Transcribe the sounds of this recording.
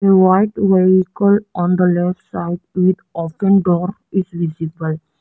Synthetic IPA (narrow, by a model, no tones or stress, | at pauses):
əʋaɪʈʋeikəlɔ̃nd̪əlɛfʈsaɪɖʋid̪ɔpə̃nɖɔːɾ | izʋizibəl